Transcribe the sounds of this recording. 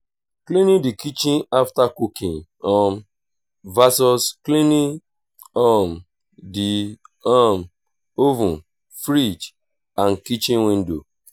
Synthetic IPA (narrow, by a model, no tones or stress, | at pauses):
klĩnĩdikit͡ʃĩnaftakukĩnɔm | vasɔsklinĩ | ɔm | diam | ovũ | fɾit͡ʃ | ankit͡ʃĩnwĩndo̰